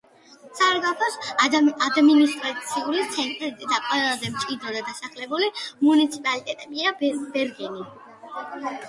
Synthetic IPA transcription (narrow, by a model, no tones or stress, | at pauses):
sʰaɾɡapʰɔsad̪minist̪ʼɾat̪sʰiulit̪sʰɛnt̪ʼɾid̪akʼwaɛlˠazɛmt͡ʃʼid̪ɾɔd̪ad̪asaχlɛbulimunit̪sʰipʼalit̪ʼɛt̪ʼɛbiab̥ɛɾɡɛni